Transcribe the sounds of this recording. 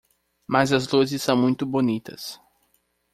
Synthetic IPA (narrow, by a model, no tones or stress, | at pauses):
mɐzɐzluzɪsːɐ̃w̃mũj̃t̪ʊbonit̪ɐ̰s